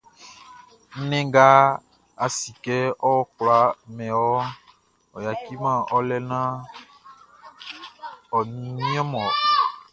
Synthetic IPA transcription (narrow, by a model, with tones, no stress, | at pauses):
n̩˦nɛ̃˦ɡa˦ | a˨si˨kɛ˦ɔ˦wɔ˦kla˨˦mɛ̃˨wɔ˦ | ɔ˨ja˨ki˦mã˦˨ɔ˦lɛ˦nã˦ | ɔ˨nĩ˨nĩ˦ɔ̃˦mɔ̃˨